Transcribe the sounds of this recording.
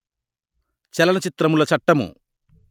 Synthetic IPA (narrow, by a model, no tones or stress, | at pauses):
t͡ʃɛlɐnɐt͡ʃit̪ɾɐmulɐt͡ʃɐʈːɐmṵ